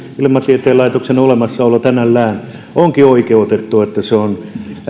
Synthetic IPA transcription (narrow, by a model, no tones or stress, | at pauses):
ilmɑsiet̪eːlɑˑit̪oksenolemɑsːɑolɑt̪ænælːæːn | oŋkioikeut̪et̪ːuet̪ːæseon